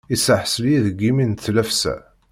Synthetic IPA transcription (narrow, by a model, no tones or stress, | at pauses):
isəħəsəljiðəɡiminθlæfsæ̰